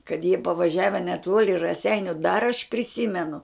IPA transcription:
kɐt jiɛ pɐʋɐˈʒʲæːʋʲɛ nʲɛˈtuɔlʲɪ rɐˈsʲɛɪnʲʊ dɐr ɐʃ pʲrʲɪˈsʲiːmʲɛnʊ

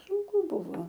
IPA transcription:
sʊŋˈkʊ ˈbʊʋoː

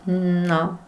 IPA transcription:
ˈnoː

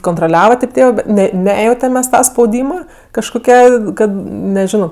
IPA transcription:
koːntroːˈlʲæːʋɐ tʲeːp ˈtʲeːʋɜ ˈbʲɛt ˈnʲɛ ˈnʲæːjɛʊtʲɛm ˈmʲɛs ˈtɐ spɐʊˈdʲiːmɐ kɐʃkoːˈkʲɛ ˈkɐt nʲɛˈʒʲɪnoː

